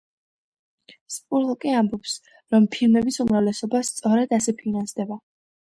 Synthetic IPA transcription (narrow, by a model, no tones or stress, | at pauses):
spʼuɾlˠkʼiambɔps | ɾɔmpʰilmɛbisumɾavlɛsɔbast̪sʼɔɾɛd̪asɛpʰinansd̪ɛba